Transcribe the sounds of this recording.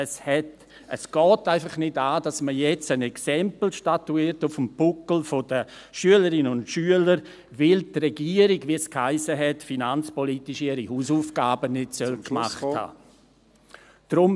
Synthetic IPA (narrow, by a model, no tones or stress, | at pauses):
əshɛt | əsɡ̥ɔːtaɪfɑχnɪdaːd̥asməjɛt͡sənɛksɛmpl̩ʃtatuiːtʊfəmpʊkl̩fod̥ə | ʃyələɾɪnʊntʃyələɾ | vɪltrɛɡiəɾiɡviəskhaɪsəɦɛtfinant͡spɔlitiʃɪɾihuːsuːfɡ̥aːbənɪtsœlkmaχtha̰ː | d̥ɾʊm